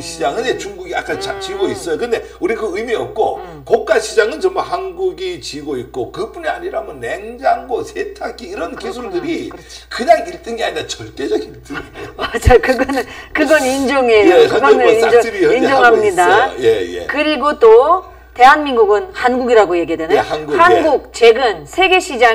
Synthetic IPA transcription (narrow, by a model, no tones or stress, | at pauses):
ɕʰid͡ʑaŋɯnt͡ɕuŋɡuɡija̰k͈ant͡ɕat͡ɕiɡois͈ʌjokɯnde̞ | uɾikɯɯimiʌp̚k͈o | kok͈̚aɕʰid͡ʑaŋɯnt͡ɕʌmbaɦanɡuɡit͡ɕiɡoit̚k͈okɯpunia̰ɲiɾaɦmʌnːe̞ŋd͡ʑaŋɡosʰetʰakʰiːɾʌnkisʰuɭdɯɾikɯnaiɭt͈ɯnɡeaɲiɾat͡ɕʌɭt͈ed͡ʑʌɡit͈ɯmad͡ʑaokɯɡʌnkɯɡʌnind͡ʑoŋe̞joɯɡʌnɯid͡ʑoɾiind͡ʑoŋɦamɲidajejḛkɯɾiɡot͈o | te̞ɦanminɡuɡɯnhanɡuɡiɾaɡoje̞ɡiedwenɯhanɡuhanɡuk̚t͡ɕe̞ɡɯnsʰe̞ɡe̞ɕʰid͡ʑa